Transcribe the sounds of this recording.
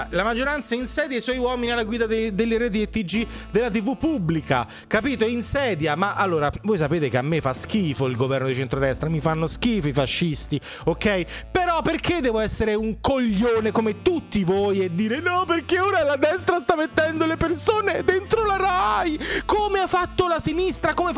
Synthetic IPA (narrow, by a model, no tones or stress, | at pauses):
lamad͡ʒːoɾant̪sainsɛːd̪jajswɔjwɔːminialːaɡwiːd̪ad̪ed̪elːeɾeːt̪̬iet̪ːid͡ʒi | d̪elːat̪ivupːubːlika̰ | kapiːt̪oinsɛːd̪jamaʔalːoːɾavoːjs̬apeːt̪ekeamːefask̟iːfoilɡovɛrnod̪it͡ʃent̪ɾod̪ɛst̪ɾamifanːosk̟iːfifaʃːist̪i | okɛjpeɾɔpːerkʰed̪ːɛːvoɛsːeɾeuŋkoʎːoːnekomet̪ut̪ːivoːjed̪ːiːɾenɔperkeoːɾalad̪ɛst̪ɾast̪amːet̪ːɛnd̪olepersoːned̪ent̪ɾolaɾajkomeafːat̪ːolasinist̪ɾakomef